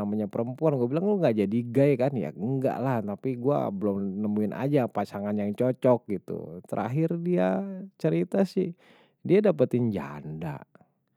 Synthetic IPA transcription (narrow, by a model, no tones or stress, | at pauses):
amaɲapəɾəmpuanɡuabilaŋluŋɡaʔd͡ʒadiɡajkanja̰əŋɡa̰ʔlaht̪apiɡua̰bəlʊmnəmuɪnʔa̰d͡ʒapasaŋanjaŋt͡ʃɔt͡ʃɔk̚ɡit̪ṵt̪ə̰ɾʔa̰ɦɪrdiat͡ʃəɾit̪asɪh | diadapət̪ɪɲd͡ʒa̰nda̰